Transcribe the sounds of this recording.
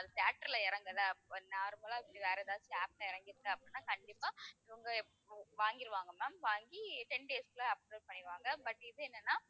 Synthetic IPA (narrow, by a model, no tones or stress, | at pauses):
ɐðɯsjaːʈːɐɾɪlɐɪɾɐŋɡɐlːɐnːaːɾɯmɐlaːɪpːɐɽiʋeːɾɛðaːt͡ʃːɯaːp̚lɐɪɾɐŋɡɪɾɯkːɐɐpːɐɽinːaːkɐɳɖɪpːaːɪʋɐŋɡɐ | ʋaːŋɡɪɾɯʋaːŋɡɐmaːmʋaːŋɡiʈɛnɖeːskɪlaɐp̚ɾeːʈ̚pɐɳːɪɾɯʋaːŋɡɐbɐʈːɪðɯɛnːɐnːaː